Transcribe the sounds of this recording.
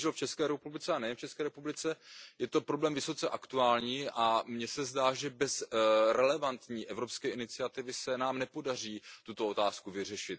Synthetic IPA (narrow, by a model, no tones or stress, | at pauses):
ʒɛlft͡ʃɛskɛːɾɛpublɪt͡sɛanɛjɛnft͡ʃɛskɛːɾɛpublɪt͡sɛjɛt̪o̞pɾo̞blɛːmvɪso̞t͡sɛʔakt̪uaːlɲiːʔamɲɛsɛzdaːʒɛbɛzɾɛlɛvant̪ɲiːʔɛvɾopskɛːɪnɪt͡sɪat̪ɪvɪsɛnaːmnɛpo̞dar̝iːt̪ut̪o̞ot̪aːskuvɪr̝ɛʃɪt̪̚